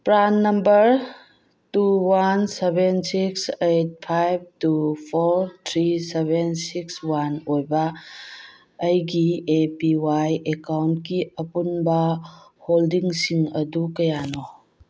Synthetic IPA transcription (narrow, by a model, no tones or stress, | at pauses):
pɾanːɐmbəɾ | tuwansebensiksejt̚pʰajb̚tupʰoɾt̪ʰɾisebensikswanojbɐ | jɡiepiwajekawntkiɐpunbɐholdiŋsiŋɐdukɐjano